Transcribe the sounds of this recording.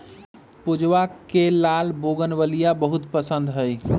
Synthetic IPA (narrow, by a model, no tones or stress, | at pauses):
pud͡ʒʋakkelaːlboɡənʋəlijabəɦʊt̪pəsə̃nd̪ɦəj